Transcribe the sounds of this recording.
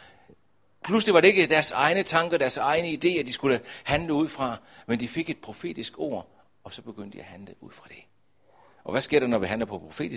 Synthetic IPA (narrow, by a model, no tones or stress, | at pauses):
pʰlusd̥e̝ʋɑ̈ɾ̥e̝e̝ɡ̥əd̥æɐsɑ̈ɪnət͡sʰɑ̈ŋɡ̥əd̥æɐsɑ̈ɪnəid̥e̝̰ːæd̥isɡ̥uləhænləuð̞̰ˠfʁɑ̈mend̥ife̝ɡ̥e̝d̥̚pʰʁo̝fe̝̰ːd̥isɡ̥o̝̰ːɐ̰ | ɒ̽sɒ̽b̥e̝ɡ̥øn̰d̥iæhænləʔuð̰ˠfʁɑ̈d̥e̝ | ʔɒ̽ʋæsɡ̥e̝ɐ̰d̥ɑnɒʋiɦænlɐpʰɒ̽pʰʁo̝fe̝̰ːdi